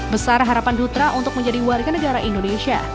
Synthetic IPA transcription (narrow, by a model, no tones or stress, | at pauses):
bəsarɦaɾapandut̪ɾaʔunt̪ʊk̚mə̃ɲd͡ʒadiwaɾɡanəɡaɾaʔindoneʃia̰